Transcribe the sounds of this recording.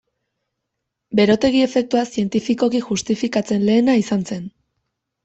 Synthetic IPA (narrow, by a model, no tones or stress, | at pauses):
be̞ɾo̞t̪e̞ɣ̞ie̞fe̞k̚t̪uasie̞nt̪ifiko̞kiʝust̪ifikat͡se̞nle̞ːnaisanse̞n